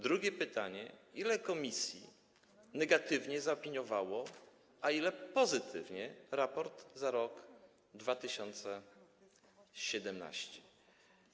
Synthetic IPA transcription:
d̪ɾuɡʲɛpɘt̪aɲɛ̰ilɛkɔmʲisʲjḭ | nɛɡat̪ɘvɲɛzaɔpʲiɲɔvawɔ | ailɛpɔzɘt̪ʰɘvɲɛɾapɔɾd̪zaɾɔɡ | d̪vat̪ɘɕɔnt̪sɛ | ɕɛd̪ɛmna̰ɕt͡ɕɛ̥

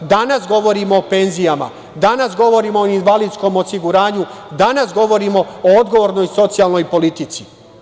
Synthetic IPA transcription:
d̪anasɡo̞ʋo̞ɾimo̞ːpe̞nzijama̰ | d̪anasɡo̞ʋo̞ɾiːmo̞ːinʋalid̪sko̞mosiɡuɾaːɲu | d̪anasɡo̞ʋo̞ɾimo̞ood̪ɡo̞ʋo̞ːɾno̞jso̞t̪sijalˠno̞jpo̞lit̪it̪si̥

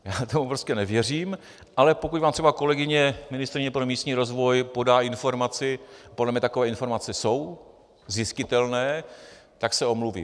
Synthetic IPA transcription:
jaːt̪omupɾoscɛnɛvjɛr̝iːm | ʔalɛpo̞kucvaːmt̪r̥ɛbako̞lɛɡɪɲɛmɪnɪst̪ɾɪɲɛpɾo̞miːst̪ɲiːɾo̞zvo̞jpo̞daːɪnfo̞ɾmat͡sɪpo̞dlɛmɲɛt̪ako̞vɛːɪnfo̞ɾmat͡sɛso̞w | zɪscɪt̪ɛlnɛːt̪aksɛo̞mluvḭː

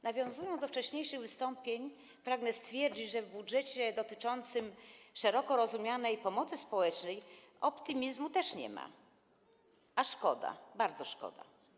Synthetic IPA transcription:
navʲjɔ̃w̃zujɔnzd̪ɔft͡ʂɛɕɲejʂɘɣvɘst̪ɔmpʲjeɲ | pɾaɡnɛst̪fʲjɛɾd͡ʑit͡ɕʐɛvbudʐɛt͡ɕɛd̪ɔt̪ɘt͡ʂɔnt̪sɘmʂɛɾɔkɔɾɔzumʲjanɛjpɔmɔt̪sɘspɔwɛt͡ʂnɛj | ɔpt̪ɨmʲizmut̪ɛʂɲɛ̰ma̰ | aʂkɔd̪a̰baɾd̪zɔʂkɔ̰d̪a̰

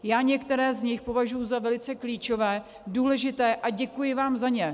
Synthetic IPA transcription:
jaːɲɛkt̪ɛɾɛːzɲɪxpo̞vaʒujʊzavɛlɪt͡sɛkliːt͡ʃo̞vɛː | duːlɛʒɪt̪ɛːʔaɟɛkujɪvaːmzaɲɛ

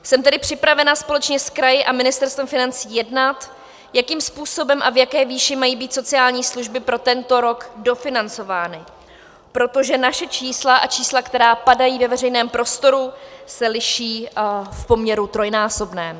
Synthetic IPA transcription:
sɛmt̪ɛdɪpr̝̥ɪpɾavɛnaspo̞lɛt͡ʃɲɛskɾajɪʔamɪnɪst̪ɛɾst̪vɛmfɪnant͡siːjɛdnat̪ | jakiːmspuːso̞bɛmʔavjakɛːviːʃɪmajiːbiːt̪so̞t͡sɪaːlɲiːsluʒbɪpɾo̞t̪ɛnt̪o̞ɾo̞kdo̞fɪnant͡so̞vaːnɪ | pɾo̞t̪o̞ʒɛnaʃɛt͡ʃiːslaʔat͡ʃiːslakt̪ɛɾaːpadajiːvɛvɛr̝ɛjnɛːmpɾo̞st̪o̞ɾusɛlɪʃiːfpo̞mɲɛɾut̪ɾo̞jnaːso̞bnɛː

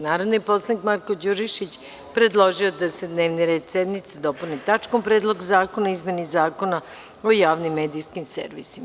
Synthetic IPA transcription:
naːɾod̪nipo̞slˠanikmaɾko̞d͡ʑuʒiʃit͡ɕ | pɾe̞d̪lˠo̞ʒiod̪ase̞d̪ne̞ːʋniɾe̞ːd̪sed̪mit̪sed̪o̞punit̪at͡ʃko̞mpɾeːd̪lˠo̞ɡzaːko̞naizme̞nizaːko̞na | ojaːʋnimːeːd̪ijskimsḛɾʋḭsim

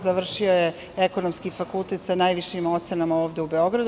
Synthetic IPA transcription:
zaʋr̩ʃio̞je | eko̞nomskifakulˠt̪e̞t̪sanaːjʋiʃimo̞t̪senamaoːʋd̪e̞ube̞o̞ɡɾad̪

